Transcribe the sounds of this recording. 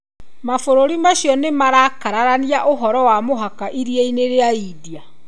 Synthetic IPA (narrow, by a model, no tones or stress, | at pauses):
mafoɾoɾimaɕiɔnemaɾakaɾaɾaniaʔoɦɔɾɔwamoɦakaʔiɾieineɾeaidia